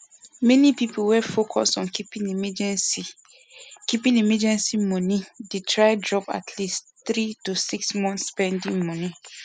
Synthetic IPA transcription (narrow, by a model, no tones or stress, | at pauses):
mɛnipipowɛfokʰɔsɔ̃nkipĩnimɛd͡ʒɛ̃nsi | kipĩnimɛd͡ʒɛ̃nsimɔ̃nidetʰɹaɪdɹɔpa̰tʰlis | t̪ɾitosiksmɔ̃nθspɛ̃ndĩŋmɔ̃nĩ